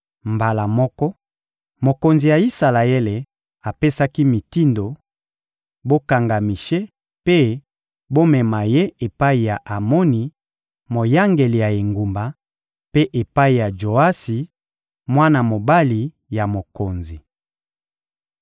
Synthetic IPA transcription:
mba˨la˨mɔ˦kɔ˦ | mo˨ko˨nzi˨ja˨i˦sa˨la˨ɛ˦le˨ | a˨pe˦sa˦ki˦mi˨ti˦ndo˨ | bo˦ka˨ŋɡa˨mi˨ʃe˦ | pe˦ | bo˦mɛ˨ma˨je˦e˨pa˦i˨ja˨ʔa˨mo˦ni˨ | mo˨ja˦ŋɡe˨li˨ja˨e˨ŋɡu˨mba˨ | pe˦ʔe˨pa˦i˨ja˨ʒo˨a˦si˨ | mwa˦na˨mo˨ba˦li˨ | ja˨mo˨ko˨nzi˨

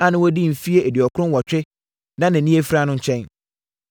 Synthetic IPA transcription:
a˨nɪ̃˦wɔ˦di˦m̩˨fi˦e˦ʔe˨di˨ɔ˨kʰʊ˦ɾʊ̃˦wɔ˨t͡ɕᶣɪ˦ | nã˦nã˨nĩ˦e˦fɾa˦nʊ̃˦ɲ̩˦t͡ɕʰɛ̃˦n

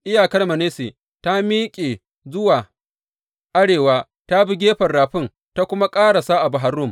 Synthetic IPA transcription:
ʔɪ˦jaː˨kɐ˦rmɐ˨neː˦se˨ | ta˦miː˦kʲʼeː˨ | zʊ˦waː˨ | ʔa˦ɽeː˨waː˦ | ta˦bɪ˦ɡʲeː˦ɸɐ˨rɽaː˨ɸɪ˦˨ŋ | ta˦kʷʊ˦ma˦kʼaː˦ɽa˨saː˦ʔa˨bʊ˨ɦa˨˦rːʊ˦˨m

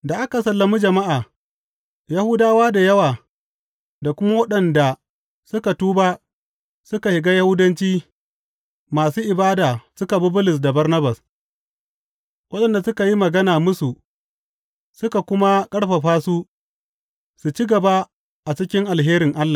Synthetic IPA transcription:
da˨ʔa˦ka˨sɐ˨lːɐ˨mu˦d͡ʒɐ˨ma˦ʔaː˨ | ja˦hʊ˦daː˦waː˦da˨jɐ˦waː˨ | da˨kʷʊ˦ma˦wɐ˦ɗɐ˨nda˨ | sʊ˦ka˨tuː˦baː˦ | sʊ˦ka˨hɪ˨ɡaː˦ja˦hʊ˦dɐ˦nt͡ʃiː˦ | maː˨suː˦ʔɪ˨baː˦daː˨sʊ˦ka˨bʊ˦bʊ˦lɪ˨s̬da˨bɐ˦rnɐ˦bɐ˨s | wʔɐ˦ɗɐ˨nda˨sʊ˦ka˨ji˦mɐ˨ɡɐ˦naː˨mʊ˦su˨ | sʊ˦ka˨kʷʊ˦ma˦kʼɐ˦ɽɸa˨ɸaː˦su˦ | su˨t͡ʃi˦ɡɐ˨ba˦ | ʔa˨t͡ʃɪ˦kʲɪ˦ŋʔa˨lɦeː˦ɾɪ˨ŋʔa˦lːa˨

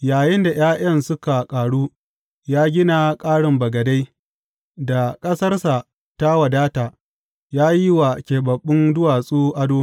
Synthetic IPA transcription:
jaː˨jɪ˦nda˨j̰aː˦ʔɐ˦nsʊ˦ka˨kʼaː˨ɽuː˦ | jaː˦ɡʲɪ˦na˨kʼaː˦ɽɪ˨mbɐ˨ɡɐ˨da˦j | da˨kʼɐ˦sɐ˦rsa˨ | ta˦wɐ˨daː˦taː˨ | jaː˦ji˦wa˨kʲeː˨bɐ˨ɓːɪ˦ndʊ˦waː˨sʼuː˦ʔa˦doː˦

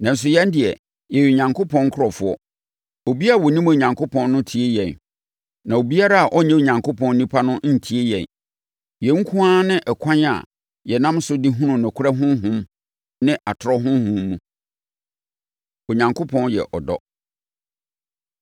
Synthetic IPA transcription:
nã˨n̩˨s̬ʊ˨jɛ̃˦n˦dɪ˨ɛ˨ | jɛ˨ji˨o˨ɲã˨ŋkʰo˦pʰɔ̃˦ŋ˦kʰʊ˦ɾɔ˨fʊ˦ɔ˦ | o˨bi˦a˦˨ɔ˨nĩ˦mo˨ɲã˨ŋkʰʊ˦pʰɔ̃˦nːʊ̃˦tʰi˨˦e˦jɛ̃˨n | nã˨o˨bi˦a˦ɾa˦a˨ʔɔ˦ɲɛ̃˦o˨ɲã˨ŋkʰʊ˦pʰɔ̃˦n˦nĩ˦pʰa˦nʊ̃˦n̩˨tʰi˨˦e˦jɛ̃˨n | jɛ˨˦ŋ̩˦kʰũ˦aː˦nɪ̃˦ʔɛ˨kʰã˦na̰˨ | jɛ˨nã˦msʊ˦dɪ˦ɦũ˦nʊ̃˨nʊ̃˨kʰʊ˦ɾa˦ɦʊ̃˦ɦʊ̃˦m | nɪ̃˦ʔa˨tʰɾɔ˦ɦʊ̃˦hʊ̃˦mː˦ũ˨ | o˨ɲã˨ŋkʰo˦pʰɔ̃˦njɛ̰˨ʔɔ˨dɔ̰˦

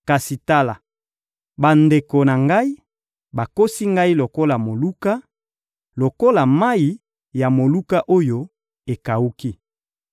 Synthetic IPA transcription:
ka˨si˨ta˦la˨ | ba˨nde˨ko˨na˨ŋɡa˦i˦ | ba˨ko˦si˦ŋɡa˦i˦lo˨ko˦la˨mo˨lu˦ka˦ | lo˨ko˦la˨ma˦i˨ | ja˨mo˨lu˦ka˦ʔo˦jo˦ | e˨ka˨u˦ki˦

